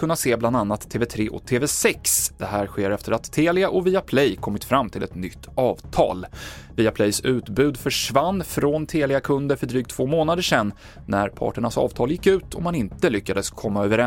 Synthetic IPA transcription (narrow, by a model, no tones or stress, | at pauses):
kɵnːaseːbland̪anːat̪ʰːeːvɛt̪ʰɾeːʔɔ̰t̪ʰːeːvɛsɛksd̪̥ɛɦæːɾɧeːɾɛft̪əɾat̪ʰːeːlɪaʔɔviːapʰlɛjkʰɔmːɪt̪fɾamːt̪ʰɪlɛ̰t̪nʏt̪ːɑːvt̪ʰɑ̰ːlviːapʰlɛjsʉ̟ːt̪bʉ̟ːd̪fœʂvanːfɾɔnt̪ʰeːlɪakʰɵnd̪əɾfœɖɾyːk̚t̪ʰːvoːmoːnad̪əʂɛnː | æɾpʰɑ̰ːʈəɳasɑ̰ːvt̪ʰɑːljɪkːʉ̟ːt̪ʰɔmhanɪnt̪əlʏkːad̪əskʰɔmːaœːvəɾɛ